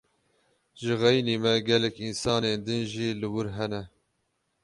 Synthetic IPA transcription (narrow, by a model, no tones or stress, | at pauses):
ʒɨɣɛjneːmɛɡɛlɛkinsɑːneːnd̪ɨnʒiːlɨwʊɾɦɛnɛ